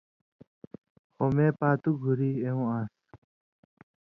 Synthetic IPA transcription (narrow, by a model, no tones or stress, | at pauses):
xomeːpaːt̪uɡʱuɾiːeũãːs